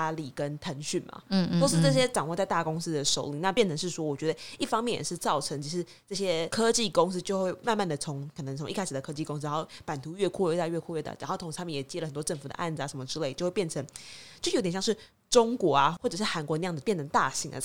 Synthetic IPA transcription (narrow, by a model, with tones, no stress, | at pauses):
a˥li˨˩kə˦nt̪ʰə˧˥ŋɕy˥˩nma̰˩˥˧t̪o˥ʊʂɻ̩˥˧ʈ͡ʂɤ˥˩ɕ̬jɛ˥ʈ͡ʂɑ˨˩ŋwɔ˥˧t͡sa˥˧ɪt̪a˥˨˩kʊ˧˥ŋs̩˥d̪ə˨ʂo˨˩ʊli˧˩˦na˥˧pjɛ˥˩nʈ͡ʂʰə˧˥ŋʂɻ̩˥˩ʂwɔ˥wɔ˨˩t͡ɕɥɛ˧˥d̪ə˧i˥˩fɑ˥ŋmjɛ˥˩njɛ̰˨˩ʂɻ̩˥˧t͡sɑ˥˩ʊʈ͡ʂʰə˧˥ŋt͡ɕʰi˧˥ʂɻ̩˧˥ | ʈ͡ʂɤ˥˩ɕjɛ˦˥kʰɤ˥t͡ɕi˥˨˩kʊ˥ŋs̩˥t͡ɕjo˥˧ʊxwe˥˧ɪma˥˧nma˥˩nd̪ə˩t͡sʰʊ˧˦ŋkʰnə˧˦ŋt͡sʰŋi˥˩a˥ɪʂɻ̩˩d̪ə˩kʰɤ˥t͡ɕi˥˩kʊ˥ŋs̬̩˥˧˦o˥˩pa˨˩nt̪ʰu˧˥ɥɛ˥˩kʰɔ˥˧ɥɛ˥˩t̪a˥˧ɥɛ˥˧kʰwɔ˥˧ɥɛ˥˩d̪ə̰˨˩ɻa˧˥xo˥˩o˧˥ŋ̩ʰ˧˥˧mjjɛ˨˩t͡ɕjɛ˥lə˨xə˨˩nt̪wɔ˥ʈ͡ʂə˥˩ŋfu˨˩d̪ə̰˦ʔa̰˥˩nd͡z̩˨˩a˧˩ʂə˧˦mə˧ʈ͡ʂɻ̩˥le˥˩ɪt͡ɕo˥ʊxwe˥˧pjɛ˥˩nʈ͡ʂʰə˧˦ŋt͡ɕt͡ɕjo˥˩˥jt̪̬jɑ˥˧ŋʂɻ̩˥˩ | ʈ͡ʂʊ˥ŋkwɔ˧˥a˧xwɔ˥˩ʈ͡ʂɤ˨˩ʂɻ̩˥˩xa˧˥nkwɔ˧n˧jɑ˥˩ŋ˩d͡z̩˩pjɛ˥˩nʈ͡ʂʰə˧˥ŋt̪a˥˩ɕi˧˥ŋə̰˩